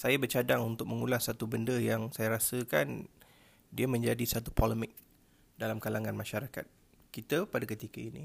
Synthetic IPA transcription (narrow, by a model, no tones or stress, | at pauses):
sajabərt͡ʃadaŋunt̪ʊk̚məŋulahsat̪ubəndəjaŋsajaɾasəkan | diamə̃ɲd͡ʒadisat̪upɔləmɪk̚ | dalamkalaŋãnmaʃaɾaka̰t̪̚ | kit̪əpadakət̪ikəinḭ